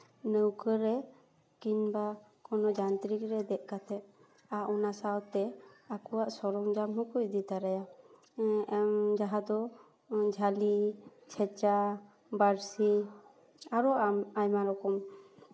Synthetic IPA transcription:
nəwkəɾɛ | kiɲbakɔnɔd͡ʒant̪ɾikɾɛd̪ɛʔ̪̚ˀkat̪ɛt̪ | aʔɔnasawt̪ɛakɔwaʔsɔɾɔŋd͡ʒamɦukucd̪it̪aɾaja | md͡ʒaɦad̪ɔ | d͡ʒʱalit͡ʃʰɛt͡ʃa | baɾsi | aɾɔʔamajmaɾɔkɔm

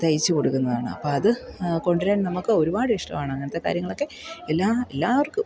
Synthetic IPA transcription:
t̪ɐjit͡ɕːɨko̞ɽukːunːɐðaːɳɨ̰ɐ̰pːoːɐðɨko̞ɳɖiɾaːnnɐmukːɨo̞ɾubaːɽɨiʂʈɐ̰maːɳɨɐŋːɐnɐt̪ːe̞ka̰ːɾjɐŋːɐɭo̞kːe̞elːaːelːaːʋɐrkɨ

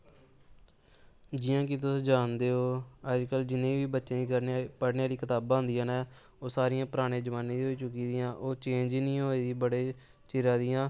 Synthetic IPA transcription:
d͡ʒɪjãːk̬ɪt̪ʊsd͡ʒaːnd̪eːoːəd͡ʒkəld͡ʒɪnẽːʋiːbətːʃẽːəɾpəɽneaːɾiːkɪt̪aːbaːɦʊnd̪ijãːnɛː | oːsaːɾɪjãːpəɾaːɽ̃ẽːd͡ʒəʋaːnẽːɦoːiːt͡ʃʊkiːd̪ɪjãːʔoːt͡ʃẽːnd͡ʒnĩːɦoːeːd̪iːbəɽeː | t͡ʃɪɾãːd̪ɪjãː

